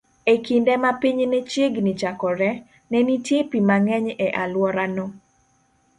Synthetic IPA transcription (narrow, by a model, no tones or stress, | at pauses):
ekindɛmapiɲnɛt͡ʃjeɡnit͡ʃakɔɾɛ | nɛnitjepimaŋɛɲɛʔalwɔɾanɔ